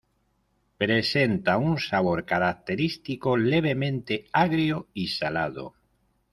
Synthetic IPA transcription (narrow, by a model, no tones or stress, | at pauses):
pɾesent̪aunsaβ̞oɾkaɾak̚t̪eɾist̪ikoleβ̞emẽnt̪eaɣɾjoisalaðo̰